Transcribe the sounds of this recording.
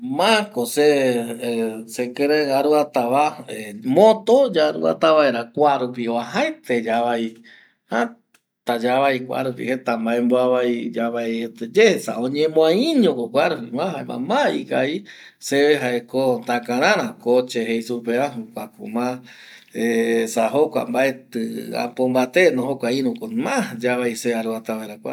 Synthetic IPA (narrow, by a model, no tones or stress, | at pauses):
mãkose | sekeɾeaɾuat̪aβaemõt̪od͡ʒaɾṵa̰t̪aβaeɾakʷaɾupioaɦaet̪ed͡ʒaβai | ha | t̪ad͡ʒaβaikʷa̰ɾupḭhet̪ambaemboaβaid͡ʒaβaet̪ed͡ʒehesaõɲẽmõãĩɲõkokʷaɾupimãɦaemã̰maikai | seβeɦaekont̪akãɾ̃ãɾ̃ãkot͡ʃeɦejsupeaɦukʷakṵmã | esaɦokʷa̰mbaet̪ɨa̰pombat̪enõɦokʷaĩɾ̃ũkomãd͡ʒaβajseaɾuat̪aβaeɾakʷa